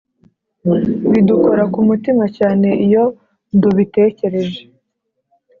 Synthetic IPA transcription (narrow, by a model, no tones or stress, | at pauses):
βiduko̞ɾakumutimacaːne̞ʔijo̞ | nduβite̞ːce̞ɾe̞ʒe̥